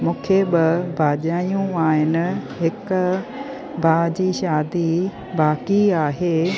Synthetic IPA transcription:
mũːkʰebɪbʱaːʄaːjũaːɦɪnɪ̆ɦɪk | bʱaːd͡ʑiːʃaːd̪i | baːkiaːɦeː

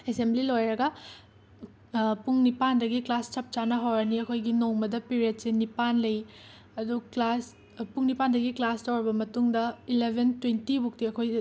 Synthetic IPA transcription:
esemblilojɾɐɡɐ | puŋnipandɐɡiklast͡ʃɐp̚t͡ʃanɐɦawɾɐniɐkʰojɡinoŋmɐdɐpiɾiet̚senipanlɐj | ɐduklas | puŋnipandɐɡiklastowɾɐbɐmɐtuŋdɐilebʱentwentibuk̚tiɐkʰoj

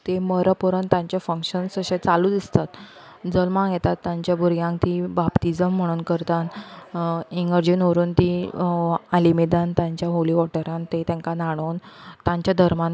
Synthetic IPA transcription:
t̪eməɾəpuɾənt̪ãɲt͡ɕafəŋkɕənsəɕẽt͡saluːd̪ist̪at̪ | d͡zəlmãŋjɛt̪at̪ːãɲt͡ɕjabʱuɾɡjãŋk̚t̪ĩbapʈid͡zəm̤ːəɽ̃uːnkəɾt̪an | iŋɡəɾd͡ʑinʋəɾuːnt̪ĩ | alimed̪ant̪jãɲt͡ɕjaɦoliʋɔʈəɾãnt̪et̪ãŋkanaɽ̃ont̪ãɲt͡ɕjad̪ʱəɾman

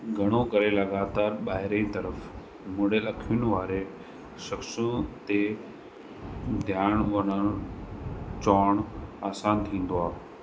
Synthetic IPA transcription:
ɡʱɐɽ̃okɐɾelɐɡaːt̪aːɾɓaːɦɪɾeĩt̪ɐɾəf | mõːɽelɐkʰijʊnɪ̆ʋaːɾe | ʃɐksũt̪e | d̪ʱjaːɽ̃ʋɐnən | t͡ɕɔːɽ̃aːsãːnt̪ʰĩːn̆d̪oaː

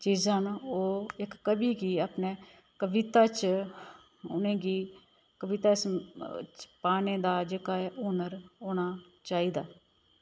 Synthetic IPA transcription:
t͡ʃiːzãːnoːɪkːəbiːɡiːaːpneː | kəʋɪt̪aːt͡ʃ | ʊ̰nẽːɡiː | kəʋɪt̪aːɪst͡ʃpaːneːd̪aːd͡ʒeːkaːeʔʊːnəɾoːñaː | t͡ʃaːiːd̪aː

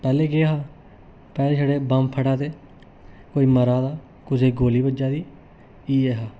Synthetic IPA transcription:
pɛːleːɡeɦaː | pɛːleːt͡ʃəɽeːbəmpʰəɽaːt̪eː | koːiːməɾaːd̪aː | kʊd͡ʒeːɡoːliːbəd͡ʒaːd̪iː | iːeːɦaː

